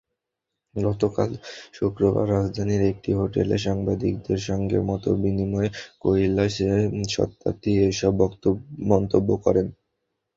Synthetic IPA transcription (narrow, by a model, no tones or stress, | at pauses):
ɡɔt̪oka̰lʃukɾoba̰ɾːad͡ʑd̪ʱaniɾek̚ʈiɦoʈeleʃ̬aŋbad̪ik̚d̪eɾʃɔŋɡḛmɔt̪obinimɔekoilːaʃeʃɔ̰t̪ːa̰t̪iejʃɔbːɔkt̪omɔnt̪obːokɔ̰ɾen